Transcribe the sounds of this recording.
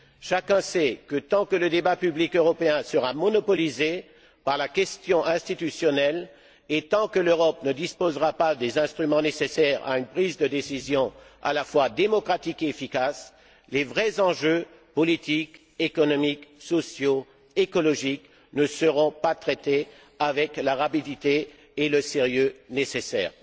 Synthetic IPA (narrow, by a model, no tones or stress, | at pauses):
ʃakɛ̃sɛkət̪ɑ̃kələd̪ebapyblikøʁɔpeɛ̃səʁamɔnɔpɔlize | paʁlakʲɛst̪jɔ̃ʔɛ̃st̪it̪ysjɔnɛl | et̪ɑ̃kəløʁɔpnəd̪ispozʁapad̪ezɛ̃st̪χymɑ̃nesesɛʁa̰ynpχizd̪əd̪esizjɔ̃a̰lafwad̪emɔkχat̪ikeːfikas | levʁɛzɑ̃ʒø | pɔlit̪ik | ekɔnɔmiksɔsjo | ekɔlɔʒik | nəsəʁɔ̃pat̪χɛt̪e | avɛklaʁapid̪it̪e | eləseʁjønesesɛ̰ːʁ